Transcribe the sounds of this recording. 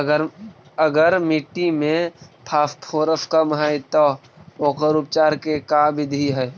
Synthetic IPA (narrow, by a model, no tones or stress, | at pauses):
əɾ | əɡəɾmiʈːimẽpʰaːfpʰoːɾəfkəmɦəjt̪ɔ | oːkəɾʊpt͡ʃaːɾkekabɪd̪ʱiɦɛ